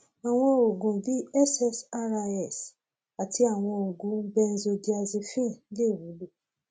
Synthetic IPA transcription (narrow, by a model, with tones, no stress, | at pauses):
a˨w̃ɔ̃˧o˨ɡũ˨bi˨˦ɛ˦sɛ˦sa˦ɾa˧ɛ˦˨s | a˨tʰi˧a˨w̃ɔ̃˧o˨ɡũ˨˦bɛ˦˧n̩˦zo˧di˦a˧zi˧fĩ˦˨˦le˦˨wũ˨˦lu˦